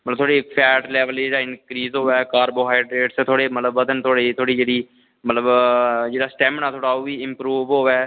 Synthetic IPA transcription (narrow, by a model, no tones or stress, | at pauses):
mətləb̚t̪ʰoːɽiːpʰɛːʈlɛːʋəld͡ʒeːɽaːɪnkɾiːzɦoːɛːkaːɾboːɦaːɪɖɾeːʈset̪ʰoːɽeːmət̪ləbːəd̪ənt̪ʰoːɽeːt̪ʰoːɽiːd͡ʒeːɽiː | mət̪ləbd͡ʒeːɽaːsʈɛ̃ːmnãːt̪ʰoːɽaːoːʋiːɪmpɾuːʋɦoːɛː